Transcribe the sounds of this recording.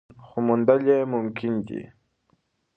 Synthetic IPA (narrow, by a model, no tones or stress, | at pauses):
xʊmʊnd̪aʎemʊmkɪnkḭ